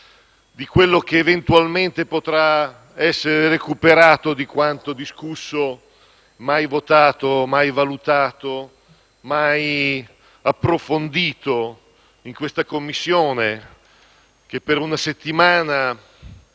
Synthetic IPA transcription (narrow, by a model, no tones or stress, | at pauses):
d̪ikwelːok̟eːvent̪ualment̪epot̪ɾa | ɛsːeɾerekupeɾaːt̪od̪ikwant̪od̪iskusːo | majvot̪aːt̪omajvalut̪aːt̪o | maj | apːɾofond̪iːt̪o | iŋkwest̪akomːisːjoːne | k̟epːeɾunaset̪ːimaːna